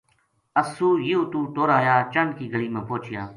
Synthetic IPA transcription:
əsuːjiuːt̪uːʈoːɾaːjaːt͡ʃəɳkiːɡəɭiːmẽːpoːt͡ʃɪjaː

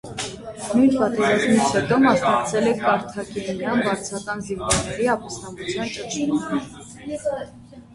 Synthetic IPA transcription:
nujnpɑt̪ɛɾɑzmit͡sʰhɛt̪ɔmɑsnɑkt͡sʰɛlɛkʰkɑɾt̪ʰɑkilnɾɑnbɑɾt͡sʰɑkɑnziɱvɔɾnɛɾiɑpɑst̪ɑmbut͡sʰjɑnt͡ʃət͡ʃ̪unu

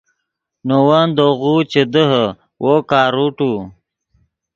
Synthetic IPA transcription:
nowand̪oɣut͡ɕed̪əɦə | wʔokaːɾuʈu

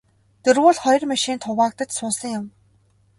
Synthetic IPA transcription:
t̪ɵrɣʊːɮχɔjrmaʃiːnt̪ʰʊʁaːk̚t̪ə̆t͡ɕsʊːnsə̆ŋjʊm

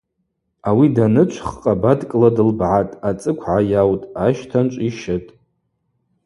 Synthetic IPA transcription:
awidanɨt͡ʃʷʰχqʼabadkʼladɨlbʕatʼat͡sʼɨkʷʰʕajawtʼaʃtʰant͡ʃʷʼiʃɪtʼ

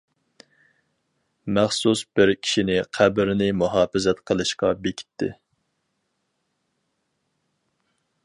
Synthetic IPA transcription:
mæχsusbɪɾkʲʰi̥ʃinɪqʰæbɾnɪmuɦɑːfɪzɛt̪qʰəlˠɨʃqɑbekʲʰi̥t̪ʰːɪ̰

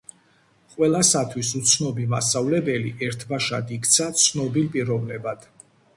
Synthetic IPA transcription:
qʼwɛlˠasat̪ʰwisut̪sʰnɔbimast̪ʼavlɛbɛliʔɛɾt̪ʰbaʃa̰d̪ikʰt̪sʰat̪sʰnɔbilpʼiɾɔvnɛbad̪̥

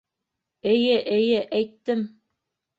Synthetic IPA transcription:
ɘ̆jɘʔɘ̆jɘʔæjt̪ːɘm

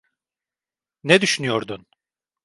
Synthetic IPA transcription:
nɛd̪yʃynyjoɾd̪un

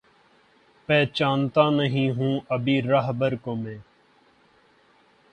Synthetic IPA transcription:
pɛːt͡ʃaːnt̪aːnəɦĩːɦũːʔəbiːɾəɦbəɾkõːmẽː

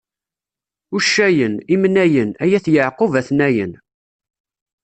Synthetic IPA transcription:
uʃːæjənimnæjənæjæθjəʕqovæθnæjə̰n

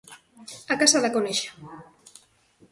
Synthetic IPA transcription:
akasaðakoneʃḁ

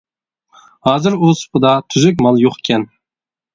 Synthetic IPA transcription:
hɑːzɨɾusʊ̥pɨd̪ɑt̪ʰyzyk̬̚ʲmɑlˠjoqe̥kʲʰɛn

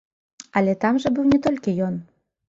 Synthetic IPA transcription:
ɑlʲet̪ɑmʒĕbɨwnʲet̪olʲkʲejon

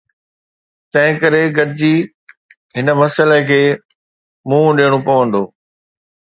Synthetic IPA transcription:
t̪ɐ̃ɦɪ̃kɐɾeɡɐʈɪd͡ʑiː | ɦɪnəmɐsəlekʰeː | mũːɗeːɽ̃opɐʋə̃nd̪oː

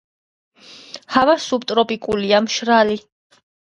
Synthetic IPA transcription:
havasup̚t̪ʼɾɔpʼikʼuliamʃɾali

